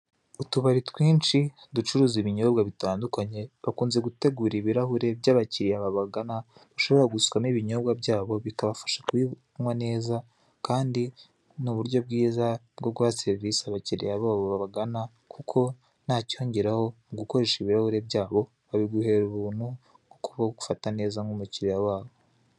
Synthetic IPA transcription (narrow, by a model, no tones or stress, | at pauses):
utuβaɾitwiːnt͡ʃi | dut͡ʃuɾuːziβiɲo̞bɡaβitaːndukaɲe̞βakuːnze̞ɡute̞ɡuɾiβiɾahuɾe̞bɟaːβaciɾijaβaβaɡanaβaʃo̞βoɾaɡuskwamiβiɲo̞bɡabɟaːβo̞βikaβafḁʃḁkwi | mwane̞ːza | kaːndi | nuβuɾjo̞bɡiːzabɡo̞ɡuβat͡seɾisaβaciɾijaβoaβoβaβaɡana | kʰukʰo̞ | nhaːcioːɲɟe̞ɾaho̞mɡuko̞ɾe̞ʃiβiɾahuɾe̞bɟaːβo̞ | βaβiɡuhe̞ːɾuβuːn̥hu | ɡokuβaɡoɡu̥fatane̞ːzaŋɡumuciɾijawaːβo̞